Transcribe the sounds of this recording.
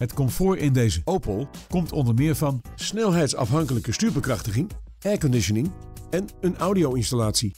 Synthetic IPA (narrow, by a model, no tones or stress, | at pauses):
ɦətkɔmfoːɹɪndejzəowpəlˠkɔmtʰɔndəɹmɪːɹvɑnsnɛlˠɦɛjtsɑ̰fɦɑŋkələkəstyːɹbəkrɑχtəχɪŋ | ɛɹkɔndɪʃənɪŋ | ɛnənawdiowɪnstalaːtsi